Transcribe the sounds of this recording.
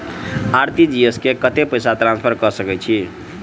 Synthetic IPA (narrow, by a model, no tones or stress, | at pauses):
aɾt̪id͡ʒieskekət̪epəjsat̪ɾãnspʰəɾkʌsəkɛt͡ʃʰi